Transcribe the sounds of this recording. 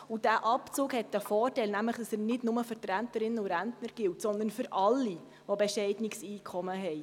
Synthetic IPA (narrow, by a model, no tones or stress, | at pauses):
ud̥æʔɑpt͡suːkhɛt̚dəfɔːrtɛjlnæmləχd̥ɑsənɪdnʊməfʏɾtɾæntəɾɪnːəuɾæntnəɾɡ̥ɪltsɔnd̪ənfʏɾʔɑlːi | ʋɔbɛʃɛɪdnɪksiːkʰɔməɦɛj